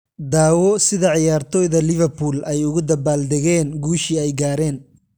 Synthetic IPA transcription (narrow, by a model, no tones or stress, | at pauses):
d̪aːwɔsɪðɐʕɪjaːrt̪ʰɔːjðɐlɪvɛrpʰuːlʔɛjʊɣʊd̪ɐbaːld̪ɛɣɛːnɡuːʃiːɛjɡaːɾɛːn